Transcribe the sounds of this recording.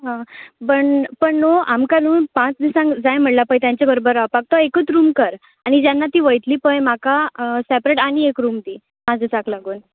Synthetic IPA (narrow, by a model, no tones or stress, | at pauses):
ɦãpəɳpəɳnoamkaluːnpãt͡sd̪isãŋɡd͡zajm̤əɽlapait̪jãɲt͡ɕebəɾobəɾːaʋpaɡ̚t̪ɔekət͡sɾuːmkəɾ | aɽ̃id͡ʑjanːat̪iːʋəjt̪liːpəjmakasepɾeʈaɽ̃iekɾuːmt̪iː | mad͡zʱət͡saklaɡuːn